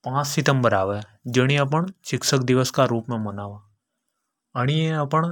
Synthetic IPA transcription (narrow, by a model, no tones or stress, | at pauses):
pãːt͡ʃsɪt̪ə̃mbəɾaːʋɛd͡ʒəɽ̃ĩɐp̬əɳt͡ʃɪksək̚d̪ɪʋəskaɾuːpmẽmənaːʋaː | əɽ̃iẽɐpəɳ